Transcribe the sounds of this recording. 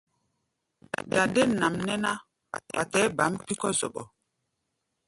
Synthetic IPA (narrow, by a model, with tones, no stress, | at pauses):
da˨de˦na˨mnɛ˦na˦ | wa̰˨tɛ˨˦ba˨˦mpi˦kɔ˦zɔ̰˨ɓɔ̰˨